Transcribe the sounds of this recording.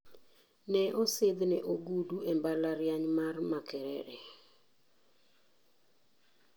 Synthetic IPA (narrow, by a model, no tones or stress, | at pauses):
nɛʔɔsɪd̪nɛʔoɡuduembalaɾjaɲmarmakɛɾɛ̰ɾɛ